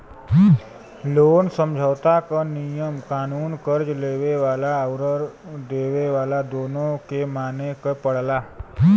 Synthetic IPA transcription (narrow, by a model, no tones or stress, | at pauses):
loːnsə̃md͡ʒʱəʋt̪akanijəmkaːnuːnkəɾd͡ʒleːweʋaːlawɾəɾd̪eːʋeʋaːlad̪oːnõkemaːnekepəɽ̤laː